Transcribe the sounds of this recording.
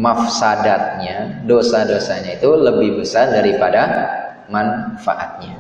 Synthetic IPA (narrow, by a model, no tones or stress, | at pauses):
mafsadat̪̚ɲadosadosaɲait̪uləbɪhbəsardaɾipada | manfa̰ʔat̪̚ɲa